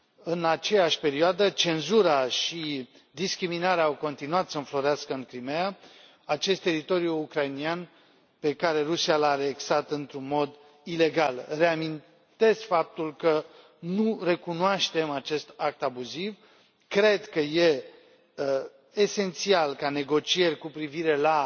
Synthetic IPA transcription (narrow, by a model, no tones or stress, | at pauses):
ɨnat͡ʃe̞jaʃʲpe̞ɾioad̪ət͡ʃe̞nzuɾaʃi | d̪iskɾiminaɾeaawko̞nt̪inuat̪səɨnflo̞ɾeaskəɨŋkɾimea | at͡ʃe̞st̪e̞ɾit̪o̞ɾjuːkɾainian | pe̞kaɾe̞ɾusialaːneksat̪ɨnt̪ɾunmo̞d̪ | ile̞ɡalre̞amin | t̪e̞skfap̚t̪ulkə | nure̞kunoaʃt̪e̞mat͡ʃe̞st̪ak̚t̪abuziv | kɾe̞d̪kəje̞ | se̞nt̪sialkane̞ɡo̞t͡ʃie̞rʲkupɾiviɾe̞la